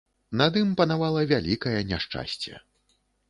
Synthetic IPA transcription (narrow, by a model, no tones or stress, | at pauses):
nɐd̪ɨmpɐnavalˠɐvʲalʲikɐjɛnʲaʂt͡ʂa̰sʲt͡sʲɛ̰